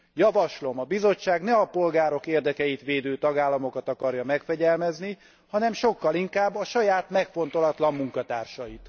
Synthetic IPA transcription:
jɒvɒʃlo̞mɒbizo̞t͡ʃːaːɡnɛɒpo̞lɡaːɾo̞keːrd̪ɛkɛjit̪ʋeːd̪øːt̪ɒɡaːlːɒmo̞kɒt̪ɒkɒrjɒmɛkfɛɟɛlmɛzni | hɒnɛmʃo̞kːɒliŋkaːbːɒʃɒjaːt̪mɛkfo̞n̪t̪o̞lɒt̪lɒmːuŋkɒt̪aːrʃɒjit̪

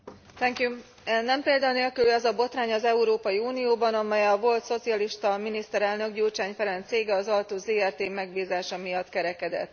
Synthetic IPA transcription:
t̪ɛŋkju | ɛnːɛmpeːld̪auneːlkylɛzɒbo̞t̪raːɲɒzɛuɾoːpɒjiuːnijoːbɒnɒmɛjɛvo̞lt̪so̞t̪sijɒliʃt̪ɒminist̪ɛɾɛlnø̞ɡɟuːlt͡ʃaːɲfɛɾɛnt̪seːɡɛɒzɒlt̪oːzeːɛrt̪eːmɛɡbiːzaːʃɒmijɒt̪kɛɾɛkɛd̪ɛ̰t̪ː

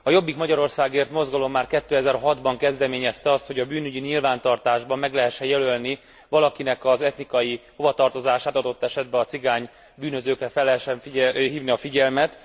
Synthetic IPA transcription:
ɒjo̞bːikmɒɟɒɾo̞rsaːɡeːrt̪mo̞zɡɒlo̞mːaːrkɛt̪ːøːɛzɛrɦɒd̪bɒŋkɛzd̪ɛmeːɲɛst̪ɛɒst̪ho̞ɟɒbyːnyɟiɲilvaːnt̪ɒrt̪aːʒbɒmːɛɡlɛɦɛʃːɛjɛlølni | vɒlɒkinɛkɒzɛt̪nikɒjiho̞vɒt̪ɒrt̪o̞zaːʃaːt̪ɒd̪o̞t̪ːɛʃɛd̪̚bɛɒt̪siɡaːɲ | byːnø̞zøːkrɛfɛlːɛɦɛʃːɛɱfiɦiːvniɒfiɟɛlmɛt̪

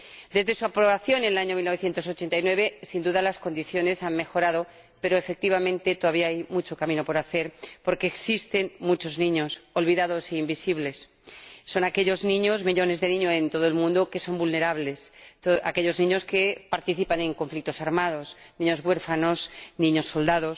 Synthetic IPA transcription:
d̪e̞zðe̞suapɾo̞βaθjo̞nenelaɲo̞milnoe̞θje̞nt̪o̞sot͡ʃe̞nt̪ajnwe̞β̞e̞sind̪uðalasko̞nd̪iθjo̞ne̞sanmexo̞ɾaðo̞ | pe̞ɾoefek̚t̪iβ̞amẽnt̪e̞t̪oðaβiaajmut͡ʃo̞kamĩno̞po̞ɾaθe̞ɾpo̞ɾke̞ːksist̪e̞nmut͡ʃo̞znĩɲo̞so̞lβiðaðo̞seimbisiβle̞sː | o̞nake̞ʎo̞znĩɲo̞zmiʎo̞ne̞zðe̞nĩɲoe̞nt̪o̞ð̞oe̞lmũnd̪oke̞so̞mbulne̞ɾaβle̞soa̰ke̞ʎo̞znĩɲo̞ske̞paɾt̪iθipanẽ̞ŋko̞ɱflik̚t̪o̞saɾmað̞o̞s | nĩɲo̞zɣwe̞ɾfano̞snĩɲo̞sːo̞ld̪aðo̞s

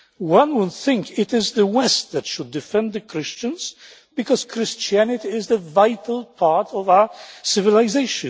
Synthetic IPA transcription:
wʌ̃nwʊd̪θɪ̃ŋkɪɾɪzðəwɛst̪̚ðɨtʃʊdːɨfɛ̃nd̪ðɨkʰɹɪst͡ʃɨ̃nz̥ | b̥ɨkʰɔz̥kʰɹɪst͡ʃiænɨtiɪzðəvaɪtʰl̩ˠpʰɑɹtɔvaʊə˞sɪvɨlazeɪʃɨ̃

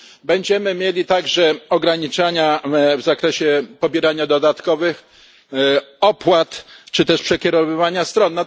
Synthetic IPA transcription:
bɛɲd͡ʑɛmɘmʲjelʲit̪aɡʐɛɔɡɾaɲit͡ʂaɲavzakɾɛɕɛpɔbʲjɛɾaɲad̪ɔd̪at̪kɔvɘx | ɔpwat̪t͡ʂɘt̪ɛʂpʂɛkʲɛɾɔvɘvaɲast̪ɾɔnːa

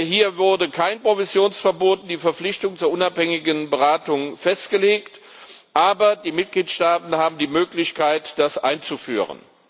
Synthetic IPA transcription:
hiːɐvʊɐdəkʰaɪnpʁ̥ovɪzjoːnsfɛɐboːtdiːfɛɐflɪçtʊŋt͡suːɐʔʊnaphɛŋɪɡənbəʁaːtʊŋfɛstɡ̥əleːkt | ʔaːbɐdiːmɪt̚ɡ̥liːtʃtaːtn̩haːbm̩diːmøːklɪçkʰaɪtd̥asʔa̰ɪnt͡sufy̰ːʁə̰n

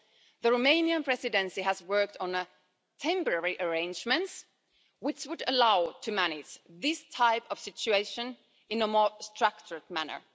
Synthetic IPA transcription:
ðəɹomẽɪ̃niɨ̃npʰɹ̥ɛsɨdɛ̃nsiɦæzwɜ˞k̚tn̩ə | tʰɛ̃mpə˞ɛɹiʔə˞ẽɪ̃nd͡ʒmɨ̃nts | wɪt͡ʃwɨdəlaʊtʰɨmænɪd͡ʒðɪstʰaɪpʌv̥sɪt͡ʃʉeɪʃɨ̃n | ɨ̃nəmɔɹstʰɹ̥ak̚t͡ʃə˞ɨt̚mænə̰˞

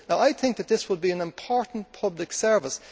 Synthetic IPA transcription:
naʊʔaɪθɪ̃ŋk̚ðɨt̪̚ðɪswəd̚biə̃nɪ̃mpʰɔɹʔn̩pʰʌblɪksɜ˞vəs

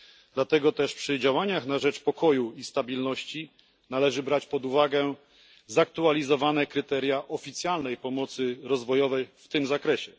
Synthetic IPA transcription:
d̪̥lat̪ɛɡɔt̪ɛʂpʂɘd͡ʑawaɲaxnaʐɛt͡ʂpɔkʰɔjuist̪abʲilnɔɕt͡ɕi | nalɛʐɘbɾat͡ɕpɔd̪uvaɡɛ | zak̚t̪ualʲizɔvanɛkɾɘt̪ɛɾʲjaʔɔfʲit̪sʲjalnɛjpɔmɔt̪sɘɾɔzvɔjɔvɛjft̪ɘmzakɾɛɕɛ

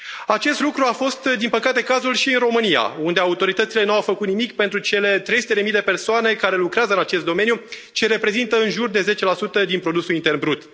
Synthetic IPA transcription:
at͡ʃe̞st̪lukɾuafo̞st̪d̪inpəkat̪e̞kazulʃiɨnro̞mɨnija̰und̪e̞aut̪o̞ɾit̪ət̪sile̞nuawfəkut̪nimikpe̞nt̪ɾut͡ʃe̞le̞t̪ɾejsu̥t̪e̞d̪e̞mijd̪e̞pe̞rsoane̞kaɾe̞lukɾeazəɨnat͡ʃe̞st̪d̪o̞me̞njut͡ʃeɾe̞pɾe̞zint̪əɨnʒurd̪e̞ze̞t͡ʃe̞lasut̪əd̪inpɾo̞d̪usulint̪e̞rnbɾut̪

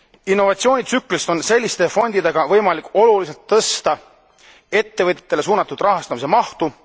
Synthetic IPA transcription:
inːo̞vɑt̪sio̞ːnʲit̪sykːˑlist̪o̞nse̞lʲːist̪e̞fo̞nʲd̪̥id̪e̞ɡ̥ɑvɤjmɑlikːˑo̞lulis̬elt̪ːɤst̪ɑ | e̞t̪ːe̞vɤt̪ʲːˑet̪ːˑele̞suːnɑt̪ˑːud̪rɑɦɑst̪ɑmis̬e̞mɑht̪u

